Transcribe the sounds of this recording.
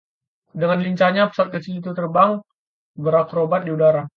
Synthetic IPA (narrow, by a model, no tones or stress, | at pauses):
dəŋanliɲt͡ʃaɲapə̥sat̪̚kət͡ʃilit̪ut̪ərbaŋ | bəɾakɾobat̪̚diudaɾa